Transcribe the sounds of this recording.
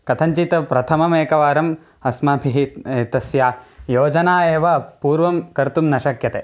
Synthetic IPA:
kɐt̪ʰɐɲt͡ʃit̪ɐpɾɐt̪ʰɐmɐmeːkɐʋaːɾɐm | ɐsmɐbʱiɦit̪ɐsjaːjoːd͡ʒɐnaːeːʋɐpuːɾʋɐmkɐɾt̪umnɐʃɐkjɐt̪e

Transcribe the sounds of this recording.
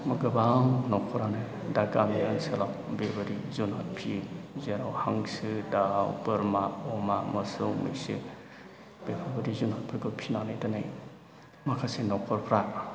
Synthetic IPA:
mɐɡɯbaŋnɔkʰɔɾanaj | dakamianselaw | bebɐɾizunɦat̚pʰizeɾawhaŋsɯdawbɯɾmaɔmamɐsɯwmḭjsɯ̰ | b̥epʰabɐɾizunhat̚pʰiɾɡɯpʰinanajtanaj | makʰasenɔkʰɔɾpʰɾa

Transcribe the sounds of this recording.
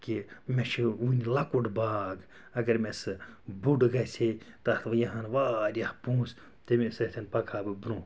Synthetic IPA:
kimʲeʃʰiunilɐkuɖbaːɡ | ɐɡɐɾmesɨbuɖɡɐsʲet̪ɐt̪ʰʋɐjɐɦãnʋaːɾʲɐhpũːs | t̪emesɐt̪ʰɐnpɐkʰaːbɨbɾũː

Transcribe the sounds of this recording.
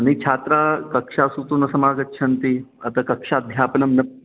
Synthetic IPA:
nit͡ʃʰat̪ɾakɐkʂasut̪unɐsɐmaːɡɐtːɕʰɐnt̪i | ɐt̪akɐkʂad̪ʱjaːpnɐmnɐ

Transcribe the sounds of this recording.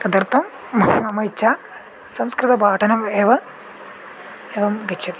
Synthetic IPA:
t̪ɐd̪ɐrt̪ːɐmː | ɐnɐmɐt͡ɕːa | sɐmskrɨt̪ɐpaːʈʰɐnɐmeːʋɐ | eːʋɐmɡɐtɕʰɐt̪i

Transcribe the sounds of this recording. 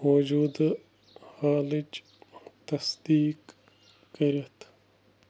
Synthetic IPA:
oːd͡ʒuːd̪ | haːlit͡ʃ | t̪ɐsd̪iːkː | ɐɾɐt̪ʰ

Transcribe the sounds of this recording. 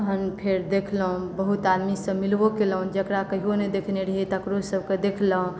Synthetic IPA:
ɦənpʰeɾd̪ekʰlɦũbəɦut̪ad̪misə̃milbokeləɦũd͡ʒəkɾakəɦiɦoned̪ekʰneɾəɦit̪əkɾosəb̚ked̪ekʰləɦũ

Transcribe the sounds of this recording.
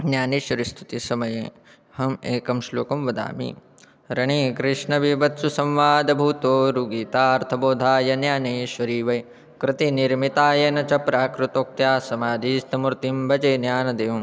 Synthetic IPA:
njaːniːʃʋɐɾist̪ʰu̥t̪isɐmɐje | hɐmeːkɐmʃloːkɐmʋɐd̪a̰ːmḭ | ɾɐɳiːkɾɪʂɳɐʋibɐt̪susɐ̃mʋaːd̪ɐbʱuːt̪oːɾuɡiːt̪aːɐɾt̪ʰɐboːd̪ʱaːjɐnjaːneːʃʋɐɾiːʋɐj | kɾɪt̪iniɾmit̪aːjɐnɐt͡ʃɐpɾaːkɾut̪oːk̚t̪jaːsɐmaːd̪iːst̪ɐmuɾt̪imbʱɐd͡ʒeːnjaːnɐd̪eːjɐm

